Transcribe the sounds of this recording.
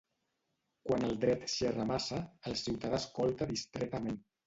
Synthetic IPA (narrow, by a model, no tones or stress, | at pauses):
kwanəlˠd̪ɾɛt̪ʃerəmasaːlˠsiwt̪aðaskɔlˠt̪aðist̪ɾɛt̪əmen